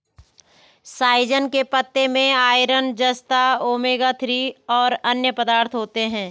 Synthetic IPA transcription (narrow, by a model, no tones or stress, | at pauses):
saːɪd͡ʒənkepət̪ːemẽaːɪɾənd͡ʒəst̪aoːmeːɡat̪ʰɾiɔːɾɐnjəpəd̪aːɾt̪ʰɦoːt̪eɦɛ̃ː